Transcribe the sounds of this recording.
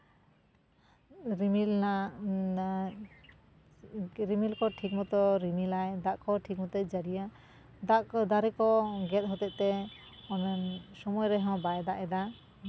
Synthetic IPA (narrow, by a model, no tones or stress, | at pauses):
ɾimilna | ɾimilkɔʈʰik̚mɔt̪ɔɾimilajd̪aʔkɔʈʰik̚mɔt̪ɛt̪̚ˀd͡ʒaɽija | d̪aʔd̪aɾɛkɔɡɛt̪̚ɦɔt̪ɛt̪̚t̪ɛ | ɔnnsɔmɔjɾɛɦɔ̃bajd̪aʔɛd̪a